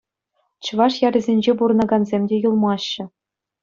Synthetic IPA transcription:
t͡ɕɤ̆ʋɑʂjɑɾʲɘ̆zʲenʲd͡ʑepuɾɤ̆nɑɡɑnzʲemʲdʲejulˠmɑɕːɘ̆

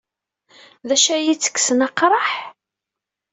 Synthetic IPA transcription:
ðæʃæjit͡sːə̥kːsənɑqɾˤɑħ

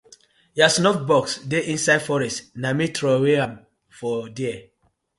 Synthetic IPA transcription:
jasnɔfbɔksdeʔĩnsaɪdfɔɹɛstnamitʰɹoweãm | fɔdiɛ

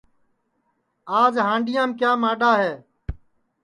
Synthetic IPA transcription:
aːd͡ʒɦãːɳɖɪjãːmkjaːmaːɗaːɦeː

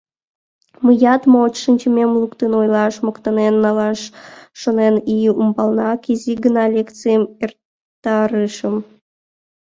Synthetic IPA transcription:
məjɑt̪moot͡ɕʃɨnʲt͡ɕəmʲemlukt̪enojlɑʃmokt̪ɑnenːɑlɑʃːoneniumbɑlnɑkiziɡənɑlʲekt͡sɨjəmer | t̪ːɑɾɨʃəm

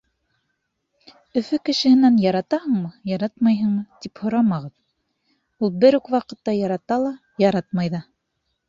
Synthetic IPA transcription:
ɵ̆fɵkɘ̆ʃɘ̆hɘ̆nænjɑɾɑt̪ɑhɤɴmɤjɑɾɑt̪mɑjɦɤɴɤt̪iphŏɾɑmɑʁɤð | ulˠbɘɾʉkwɑqɤ̆t̪ːɑjɑɾɑt̪ɑlˠɑ | jɑɾɑt̪̚mɑjðɑ

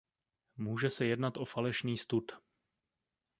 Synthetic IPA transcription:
muːʒɛsɛjɛdnat̪ʔo̞falɛʃniːst̪ut̪

